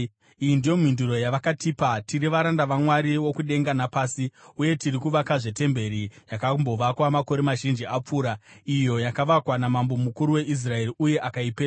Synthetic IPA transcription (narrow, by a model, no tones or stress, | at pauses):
ijindijo̞mwinduɾo̞jaʋakatiːpatiɾiʋaɾandaʋamwaɾiwo̞kuɗe̞ŋɡanapaːsiuje̞tiɾikuʋakaʐe̞te̞mbe̞ɾijakambo̞ʋakwamako̞ɾe̞maʒind͡ʒiap͡fuːɾaijo̞jakaʋakwanamambo̞mukuɾuwe̞ʔis̬rae̞riʔuje̞ʔakaipea